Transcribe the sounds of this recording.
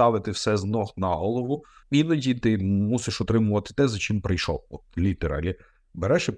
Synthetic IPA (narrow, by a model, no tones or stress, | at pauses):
ɑʋɪt̪ɪwsɛznɔxnɐɦɔlˠɔʋʊinɐdʲit̪ɪmusɪʃɔt̪ɾɪmʊʋɐt̪ɪ̥t̪ɛzɐt͡ʃɪmpɾɪjʃɔ̰wɔt̪lʲit̪eɾɑ̰lʲi | beɾɛʃɛ